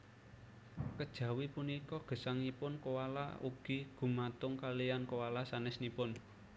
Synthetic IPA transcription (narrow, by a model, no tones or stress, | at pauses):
kəd̥ʒ̥ä̤wipunikɔɡ̥ə̤saŋipʊnkowala̰ṵɡ̥i̤ɡ̥ṳmat̪ʊŋkalijankowalasanɛsnipʊn